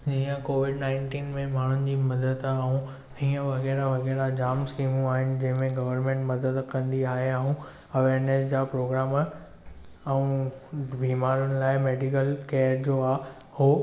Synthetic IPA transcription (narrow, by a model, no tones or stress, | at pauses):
d͡ʑĩːə̃koːʋɪɖnãːɪɳʈiːnmẽmaːɳ̤ʊn̆d͡ʑiːmɐd̪əd̪aũ | iːə̃ʋɐɣɛːɾaʋɐɣɛːɾad͡ʑaːmskiːmũaːɦɪnɪ̆d͡ʑɐ̃ɦɪ̃mẽɡɐʋəɾmẽɳʈmɐd̪əd̪kɐ̃nd̪iaːɦeaɦũ | ɐʋeːɾnesd͡ʑaːpɾoːɡɾaːm | ɐũbiːmaːɾʊnɪ̆laːɪmeːɖikəlkeːəɾd͡ʑoːaː | hoː